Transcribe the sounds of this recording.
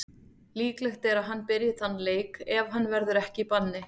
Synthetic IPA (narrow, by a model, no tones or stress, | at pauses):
liːklɛxt̪ɛɾaðɦanːpɪɾjɪðθhanːleːjkɛvɦanːvɛɾðʏɾɛhcɪipanːɪ